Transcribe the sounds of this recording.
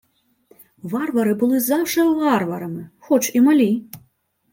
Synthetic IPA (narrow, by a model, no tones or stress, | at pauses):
varvɐɾɨbɨlˠɨzawʂɛvarvɐɾɐmɨxɔt͡ʂimalʲi